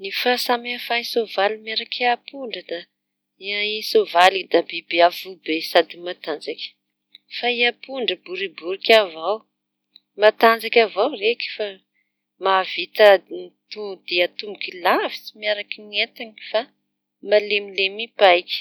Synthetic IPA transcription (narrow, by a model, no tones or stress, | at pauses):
nifasamafaisovalimaɾakʰiapuɳɖ͡ʐəd̪a | iaisovalid̪abebeafubesad̪imat̪and͡zakʲə̥ | faiapuɳɖ͡ʐəbuɾibuɾikʲavaw | mat̪and͡zakʲavawreki̥fa | mavit̪ənt̪ud̪iat̪umikilavi̥t͡simiaɾakinet̪aŋifa | malemilemipajkʲ